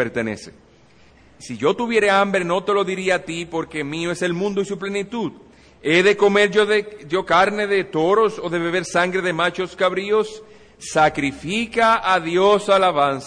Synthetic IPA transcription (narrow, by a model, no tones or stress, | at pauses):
eɾt̪ene̞̰se̥̰ | siʝo̞t̪uβjeɾe̞ambɾe̞no̞t̪e̞lo̞ðiɾiaːt̪ipo̞ɾke̞mĩoe̞se̞lmũnd̪oisuple̞nit̪uð | e̞ðe̞ko̞me̞ɾoðeʝo̞kaɾne̞ðe̞t̪o̞ɾo̞so̞ðe̞βe̞β̞e̞ɾsaŋɡɾe̞ðe̞mat͡ʃo̞skaβɾio̞sː | akɾifikaaðjo̞salaβansa